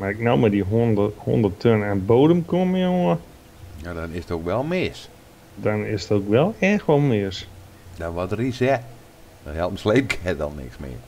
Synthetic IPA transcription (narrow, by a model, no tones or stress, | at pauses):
marɪk̚nowmadiɦho̰ndərtʰønɛnboːdəmkomɪoə | jadɔnɪsətokʋɛlˠmɪs | dɔnɪsətoːkʋɛlˠɛːxʋɔlˠmɪəs | d̥ɔʋɔdrisɛ | dɔhɛlˠəm̩sleːp̚kʰɛtdɔ̰lˠnɪ̰ksmɪ̰ə